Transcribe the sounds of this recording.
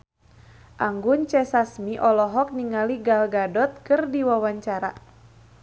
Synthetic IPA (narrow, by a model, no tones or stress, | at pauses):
ʔaŋɡʊnt͡ʃɛsasmiʔɔlɔɦɔk̚niŋaliɡalɡadɔt̪̚kɨrdiwawaɲt͡ʃaɾa̰